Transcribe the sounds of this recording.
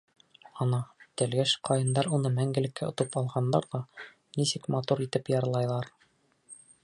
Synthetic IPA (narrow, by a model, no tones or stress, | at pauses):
ɒnɑt̪æ̆lɡæʃqʰɑjɤ̆nd̪ɑɾunɤmæŋɡɘ̆lɘ̆kːæŏt̪ɤpɑlˠʁɑnd̪ɑɾðɑ | nisɘkmɑt̪uɾit̪ɘpjɑɾlˠɑjlˠɑɾ